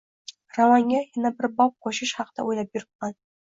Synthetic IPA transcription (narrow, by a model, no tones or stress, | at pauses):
ramɑŋːʲajɪnabɪɾbɑp̚qʰoʃɪʃχɑqd̪̥a̰wojlˠɑp̚jʊɾɪp̚qɑn